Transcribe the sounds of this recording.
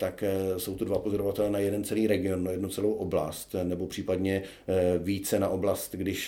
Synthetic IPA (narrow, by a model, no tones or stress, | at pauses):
t̪aksowt̪udvapozo̞ɾovat̪ɛlɛnajɛdɛnt͡sɛliːɾɛɡɪo̞nːojɛdnut͡sɛlowʔo̞bla̰st̪nɛbo̞pr̥iːpadɲɛ | viːt͡sɛnaʔo̞blast̪ɡdɪʃ